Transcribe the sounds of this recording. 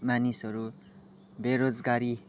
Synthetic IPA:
manisʌɾu | beɾod͡zɡaɾi

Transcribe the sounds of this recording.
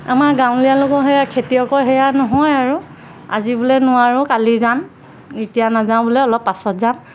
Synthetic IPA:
a̰maɹɡãw̃lijalʊkɔɹɦɛjakʰetijɔkɔɹɦɛjanɔɦɔjaɹu | a̰zibulɛnʊwaɹʊ̃kalizam | etijanazãw̃bʊlɛɔlɔpːasɔtzan

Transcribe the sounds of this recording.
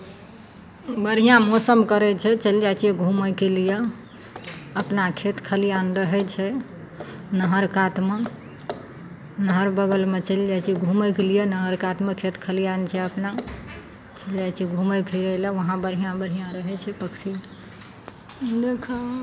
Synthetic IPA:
bəɾijãmosəmkəɾɛt͡ʃʰɛt͡ʃəld͡ʒat͡ʃʰijɛɡʱumɛkelije | əpnakʰet̪kʰəlijanɾəɦɛt͡ʃʰɛ | nəɦəɾkat̪me | nəɦəɾbəɡəlmet͡ʃəld͡ʒat͡ʃʰijɛɡʱumɛkelijenəɦəɾkat̪mekʰet̪kʰəlijant͡ʃʰɛəpna | t͡ʃəld͡ʒajt͡ʃʰijɛɡʱumɛkeɾəlɛʋəɦãbəɾɦijãbəɾɦijãɾəɦɛt͡ʃʰɛpəkt͡ʃʰi | d̪ekʰa

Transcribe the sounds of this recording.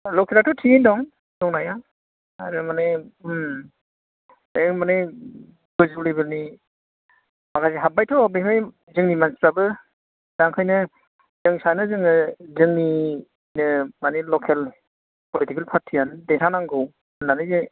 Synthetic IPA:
lɔkʰelatʰɔtʰiindɔŋ | dɔŋnaja | aɾɯmane | emane | ɡɯzɯlibɯɾni | makajzeɦabajtʰɔbemɯj | zɯŋnimansɾabɯ | d̥aŋkʰɯjnɯ | zɯŋsanɯzɯŋɯzɯŋni | nɯmanelɔkʰel | pʰɔlitikelpʰaɾtʰiandetʰanaŋɡɯw | nanɯze

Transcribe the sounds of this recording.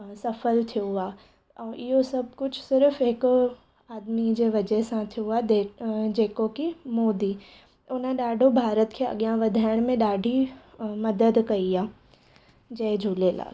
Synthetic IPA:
sɐfəlt̪ʰijoaː | ɛ̃ːʔɪɦosɐb̚ʱkʊd͡ʑʰsɪɾfɦɪk | aːd̪mid͡ʑeːʋɐd͡ʑəɦsãt̪ʰijoaːd̪eːd͡ʑeːkokimoːd̪i | ʊnəɗaːɖʱobʱaːɾət̪kʰeːɐ̰ɠjãʋɐd̪ʱaːɪɽ̃mẽɗaːɖʱimɐd̪əd̪kɐiaː | d͡ʑɐɦd͡ʑʱuːleːla̰ː

